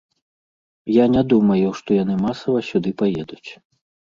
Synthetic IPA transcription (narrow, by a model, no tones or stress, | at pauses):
janʲad̪umɐjuʂt̪ɔjanɨmasɐvɐsʲud̪ɨpajɛd̪ut͡sʲ